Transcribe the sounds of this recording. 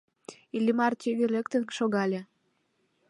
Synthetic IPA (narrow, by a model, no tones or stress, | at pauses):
ilʲːimɑrt̪ʲeɣelʲekt̪ənʃoɣɑlʲe